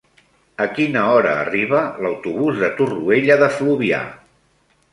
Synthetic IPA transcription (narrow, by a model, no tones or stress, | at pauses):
əkinəɔɾə̰ːriβələwt̪uβuzðət̪urueʎəðəfluβia̰